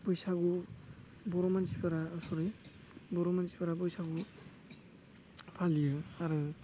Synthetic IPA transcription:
bɔjsaɡu | bɔɾɔmansipaɾasɔɾɯj | bɔɾɔmansi̥paɾabɔjsaɡu | pʰalijɯaɾɯ

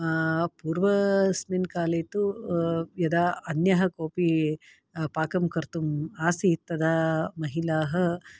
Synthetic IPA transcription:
puːɾʋɐsminkaːleːt̪u | jɐd̪aɐnjɐɦɐkoːpi | paːkɐmkɐɾt̪umaːsit̪ɐd̪amɐɦilaːɦɐ̆

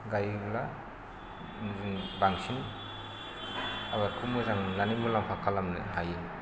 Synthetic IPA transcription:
ɡajbla | ziŋbaŋsʰiŋ | abaɾkʰumɯzaŋlanimulampʰakʰalamnɦaje

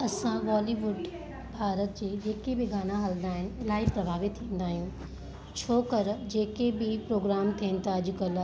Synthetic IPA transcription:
ɐsãʋɔːliːʋʊɖ | bʱaːɾət̪d͡ʑeːd͡ʑeːkebɪɡaːnãɦɐlnd̪aːɦɪnɪ̆ɪlaːipɾɐbʱaːʋɪt̪ʰːĩːn̆d̪aːɦijũ | t͡ɕʰoːkəɾd͡ʑeːkebɪpɾoːɡɾaːmt̪ʰiənɪ̆t̪aɐd͡ʑʊ̆kɐl

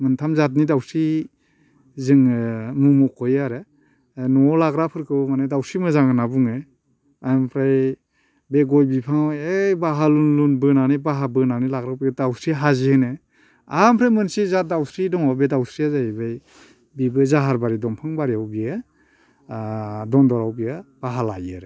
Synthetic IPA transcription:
mɯntʰamzat̬̚nidawsɾi | zɯŋmumɔkʰɔjaɾe | nɔlaɡɾapʰɯɾkʰɯbmanedawsimɯzaŋɯnabuŋe | ampʰɾaj | beɡɔjbipʰaŋɔebaɦalunlunbɯnanibaɦabɯnanilaɡɾawpʰidawsɾiɦaziɯnɯ | ampʰɾajmɯnsizadawsʰɾidɔŋɔbedawsʰɾiazaibaj | bibɯzaɦaɾbaɾidɔmpʰɯŋbaɾiawbia | dɔndɔɾawbijab̥aɦalajaɾe

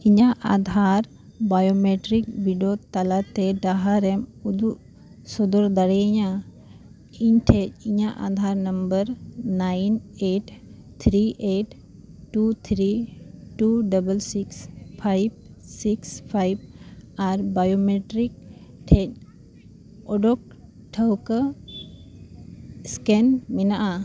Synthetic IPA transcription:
iɲaʔad̪ʱaɾ | bajomeʈɾik̚biɖot̪alat̪ɛɖaɦaɾɛmud̪uʔ | sɔd̪ɔɾd̪aɽɛɲa | iɲʈʰɛc̚iɲaʔa̰d̪ʱaɾnəmbəɾnajneʈ | t̪ʰɾiʔeʈː | ut̪ʰɾiʈuɖəbəlsikspʰajb̚sikspʰajb̚aɾbajomeʈɾik̚ʈʰɛc̚ | ɔɖɔk̚ | ʈʰəwkə | skɛnmɛnaʔa

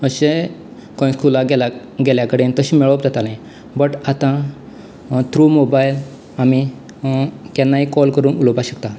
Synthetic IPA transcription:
əɕe | kɔ̃ĩskulaɡela | ɡeljakəɽent̪əɕiːmɛɭəp̚d͡zat̪alãj | bəʈat̪ã | t̪ɾumobail | ami | t̪ɛ̃nːaɦikɔlkəɾuːnulobaɕəkt̪a

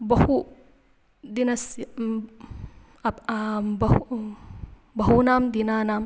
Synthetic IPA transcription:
bɐhu | d̪inɐsi | bɐhu | bɐɦunamd̪inaːnam

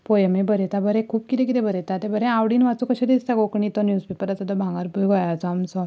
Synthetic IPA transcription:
pojmebəɾɛt̪abəɾɛ̃kʰuːp̚kit̪ẽkit̪ɛ̃bʱəɾɛt̪at̪ebəɾɛ̃awɽiːnʋat͡sukəɕed̪ist̪aɡokɳit̪ɔnjuːspepəɾat͡sat̪ɔbʱãŋɡaɾbuɡɔjat͡sɔamsɔ

